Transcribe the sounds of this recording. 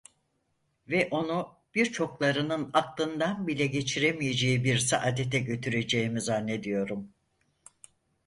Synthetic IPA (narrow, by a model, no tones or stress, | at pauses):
vɛʔo̞nu | b̥iɾt͡ʃʰo̞klˠaɾɯnɯnaklˠɯnd̪anbilʲɛɟe̞t͡ʃʰiɾemijed͡ʒejibiɾsaʔad̪et̪ʰɛɟø̞t̪ʰyɾe̞d͡ʒe̞imizanːe̞d̪ijo̞ɾum